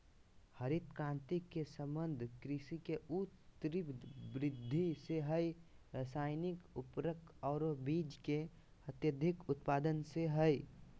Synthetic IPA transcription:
həɾɪt̪kãːnt̪ikesə̃mbə̃nd̪ʱkɾɪʃikeut̪ɾibɾɪd̪ʱːiseɦəiɾəsaːɪnɪkʊpɾəkɔːɾbiːd͡ʒke | ət̪jəd̪ʱɪkʊt̪paːd̪ənseɦəi

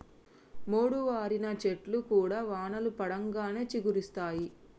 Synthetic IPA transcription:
moːɽuʋaːɾinɐt͡ʃeʈlukuːɽaːʋaːɳɐlupɐɽɐŋɡaːne̞ːt͡ʃiɡuɾist̪aːji

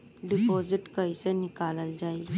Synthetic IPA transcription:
ɖipɔd͡ziʈkəjsənikaləld͡ʑai

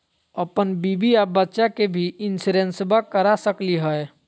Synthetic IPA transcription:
əpənbibiabətːʃakebʱiɪnsuɾẽnsbakəɾasəkliɦəe

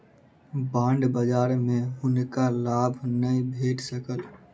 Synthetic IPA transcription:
bãːɳɖbəd͡ʒaːɾmẽɦʊnkalaːbʱnəĩbʱeːʈsəkəl

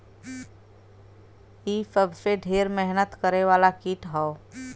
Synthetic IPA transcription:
iːsəbseɖʱeːɾmɛɦnət̪kəɾeʋaːlakiːʈɦɔo

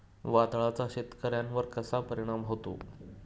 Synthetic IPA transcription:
ʋad̪ɭat͡saɕet̪kəɾjãnʋəɾkəsapəɾiɽ̃amɦot̪o̰

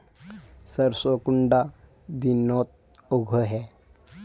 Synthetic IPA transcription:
səɾsokuɳɖa | d̪inɔt̪̚ | oɡʱəɦɛ

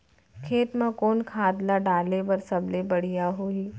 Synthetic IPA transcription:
kʰeːt̪mãkoːnkʰaːd̪laɖaːlebɐɾsɐblebɐɽ̤ijaɦuiː

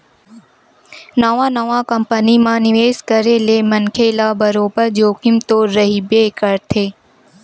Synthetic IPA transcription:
nɐʋãːnəʋãːkəmpənimãːnɪʋeːzkəɾeleːmənkʰeːlaːbəɾoːbəɾd͡ʒoːkɪmt̪oːɾːəɦiːbeːkəɾt̪ʰeː

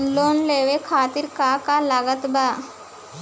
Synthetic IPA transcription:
nloːnleʋekʰaːt̪iːɾkakalaɡət̪ba

